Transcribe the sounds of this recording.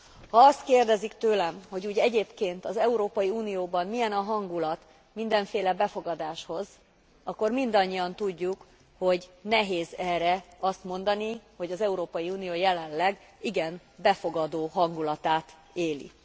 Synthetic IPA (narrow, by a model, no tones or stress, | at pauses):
hɒɒst̪keːrd̪ɛzikt̪øːlɛmho̞ɟuːɟɛɟeːpkeːnt̪ɒzɛuɾoːpɒjiuːnijoːbɒnmijɛnɒɦɒŋɡulɒt̪ | mind̪ɛɱfeːlɛbɛfo̞ɡɒd̪aːʃho̞z | ɒkːo̞rmind̪ɒɲːiɒnt̪uɟːuk | ho̞ɟnɛɦeːzɛːrɛɒst̪mo̞nd̪ɒniho̞ɟɒzɛuɾoːpɒjiuːnijoːjɛlɛllɛɡ | iɡɛn | bɛfo̞ɡɒd̪oːɦɒŋɡulɒt̪aːt̪ | eːlḭ